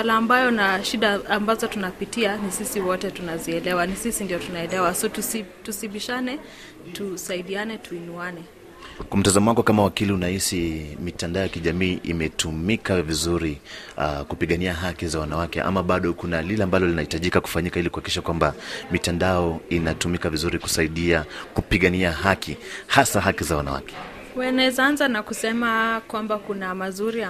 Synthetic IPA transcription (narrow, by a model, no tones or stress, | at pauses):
walaːmbajɔnaʃiɗaːmbazɔtunapitianisisiwɔtɛtunaziɛlɛwanisisindiɔtunaɛlɛwasɔtusitusiɓiʃanɛ | tusaiɗianɛtʰuinuanɛ | kwam̩tazamɔwaŋɡɔkamawakiliunahisimitandaɔjakiʄamiːʔimɛtumikavizuɾi | kupiɠaniaɦakizawanawakɛ̰ʔa̰maɓaɗɔkunalilɛambalɔlinahitaʄikaku̥faɲikailikuhakiʃakwambamitandaɔinatumikavizuɾiku̥saiɗiakupiɠaniaɦakʰihasaɦakizawana̰wa̰kɛ̥ | wɛnɛzanzanakusɛmakwambakunamazuɾi